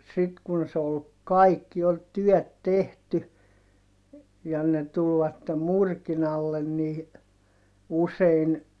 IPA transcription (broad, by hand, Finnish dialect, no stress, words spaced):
sit kun se ol kɑikːi ol tyœˑt tehty jɑ ne tulʋɑtːe murkinɑlːen niː usein